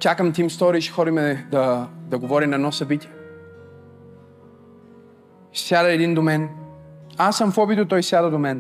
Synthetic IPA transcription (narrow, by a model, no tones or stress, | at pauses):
t͡ʃakəmt̪imst̪ɔɾiʃxɔɾimɛd̪ɐd̪ɐɡovɔɾinɐɛd̪nɔsɐbit̪ʲiɛ | sjad̪əɛd̪ind̪omɛn | asːəmfɔbit̪ət̪ɔjsjad̪əd̪omɛn